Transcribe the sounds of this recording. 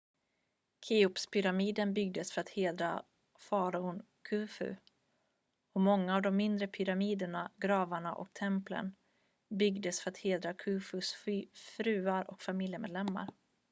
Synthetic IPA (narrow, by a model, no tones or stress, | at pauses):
kʰiʊpspʰʏɾamiːd̪ənbʏɡ̚d̪əsfœɾat̪heːd̪ɾa | fɑːɾaʊn | kʰʉːfʉ̰ | ɔmɔŋːaːvd̪ɔmːɪnd̪ɾəpʰʏɾamiːd̪əɳaɡɾɑːvaɳaʔɔ̰k̚t̪ʰɛmplə̰n | bʏɡd̪əsfœɾat̪heːd̪ɾakʰʉːfɵsffɾʉ̟ːaɾɔ̰kfamɪljəmeːd̪lɛmːa̰ɾ